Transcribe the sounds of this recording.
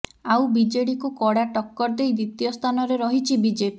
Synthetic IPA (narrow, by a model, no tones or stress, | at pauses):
awbid͡ʒeɽikukɔɽaʈɔkːɔɾd̪ejd̪it̪ijɔst̪ʰanɔɾeɾɔɦit͡ʃʰibid͡ʒepi